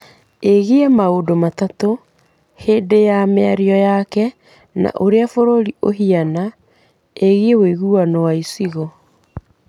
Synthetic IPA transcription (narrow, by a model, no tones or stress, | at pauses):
eɣeɛmaodomatato | hedejamɛaɾiɔjakɛ | na̰ʔoɾeafoɾoɾiʔoɦiana | eɣeeweɣuanɔwaisiɣɔ